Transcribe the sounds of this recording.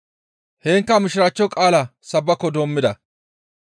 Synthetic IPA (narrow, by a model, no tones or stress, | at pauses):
heːŋkːɐmɪʃɪɾat͡ʃːɔkʼaːlɐsɐbːɐkːɔd̪oːmːɪd̪ɐ